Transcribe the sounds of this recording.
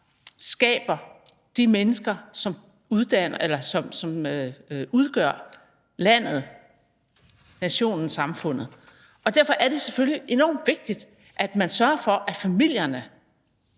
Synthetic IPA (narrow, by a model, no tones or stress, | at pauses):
sɡ̥ɛ̰ːb̥ɐ | d̥imenəsɡ̥ɐsɒ̽m | uð̞ˠd̥æn̰ɐʔelɐsɒ̽msɒ̽møuð̞ˠɡ̥ɶɐ̰ | læn̰ð̞̩ˠ | næɕo̝̰ːnn̩sɑ̈mfɔ̽n̰ð̞̩ˠ | ɒ̽d̥æɐfɒ̽ʔæɐɾ̥e̝seføljiʔe̝nɒ̰ːmd̥ʋe̝ɡ̥̚d̥id̥ | ʔæd̥mænsɶɐfɒ̽ʔæfæmil̰jɐnə